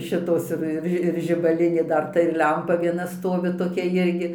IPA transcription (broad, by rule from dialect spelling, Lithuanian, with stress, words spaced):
ˈʃʲɪtoːs ɪr ɪr ˈʒʲɪ ɪr ʒʲɪbɐˈlʲɪnʲeː ˈdɐr ˈtɐ ɪr ˈlʲɛmpɐ ʋʲiɛˈnɐ ˈstoːʋʲɪ toːˈkʲɛ ˈjɪrʲɡʲɪ